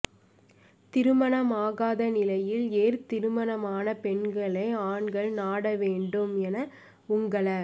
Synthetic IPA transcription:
t̪ɪɾɯmɐnɐmaːɣaːðɐnɪlɐjɪleːɾt̪ɪɾɯmɐnɐmaːnɐpɛɳɡɐɭɐɪaːɳɡɐɭnaːɽɐʋeːɳɖɯmɛnɐ | ʊŋɡɐɭɐ

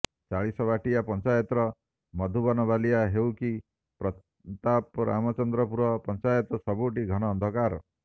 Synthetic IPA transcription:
t͡ʃaɭisɔbaʈijapɔnt͡ʃajɔt̪ɾɔ | mɔd̪ʱubɔnɔbalijaɦewki | pɾɔ | t̪apɾa̰mɔt͡ʃɔnd̪ɾɔpuɾɔpɔnt͡ʃajɔt̪ɔsɔbuʈiɡʱɔɽ̃ɔːnd̪ʱɔkaɾɔ

